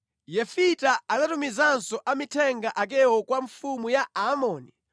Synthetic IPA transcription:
jɛfitaanatumizansɔʔamitʰɛŋɡaʔak̬ɛwɔkwaɱfumujaamɔːni

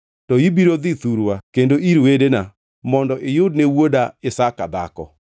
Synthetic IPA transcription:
tɔibiɾod̪it̪uɾwakendoʔiɾwedena | mɔndɔʔɪjʊdnewodaɪsakad̪a̰kɔ̰

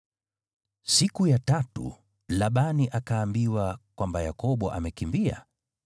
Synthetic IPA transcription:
sikujatatṵ | laɓaniʔakaːmbiwakwambajakɔɓɔʔa̰mɛkimbia̰

